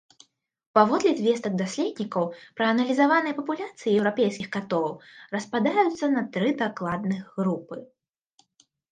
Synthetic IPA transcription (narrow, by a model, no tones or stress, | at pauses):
pavɔd̪lʲid̪ʲvʲɛst̪ɐɡ̚d̪asʲlʲɛd̪ʲnʲikɐwpɾɐɐnɐlʲizavanɨjɐpɐpulʲat̪sɨjijɛwɾapʲejsʲkʲixkat̪ɔwrɐspad̪ajut̪sːɐnɐt̪ɾɨd̪aklˠad̪̚nɨɣɣɾupɨ